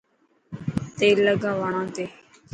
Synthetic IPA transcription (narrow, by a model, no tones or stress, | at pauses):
t̪eːləɡãːʋaːɳ̃ãːt̪eː